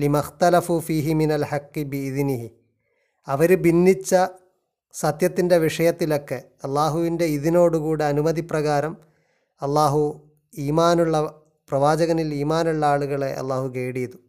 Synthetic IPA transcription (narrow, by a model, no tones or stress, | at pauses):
limɐxt̪ɐlɐfuːfiːɦiminɐlħɐkːibiːðniɦi | ɐʋɐɾubinːit͡ɕːɐ | sɐt̪jɐt̪ːinde̞ʋiʂɐjɐt̪ːilo̞kːe̞ | ɐlːaːɦuʋinde̞iðino̞ːɽukuːɽeɐnumɐðiprɐɣaːɾɐm | ɐlːaːɦu | iːmaːnuɭːɐ | prɐʋaːd͡ʑɐɣɐniliːmaːnuɭːɐaːɭuɣɐɭe̞ʔɐ̰lːaːɦukeːɽijɐðu